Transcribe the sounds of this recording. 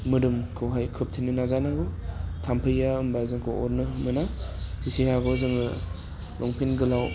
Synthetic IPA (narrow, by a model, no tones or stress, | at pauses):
mɯɾɯmkʰɯwɦajkʰɯp̚tʰininazanaɡɯtʰampʰɯjaɯmbazɯŋkʰowɔɾnɯmɯnatʰisehaɡozɯŋɯ | lʔɔŋpʰinɡɯlaw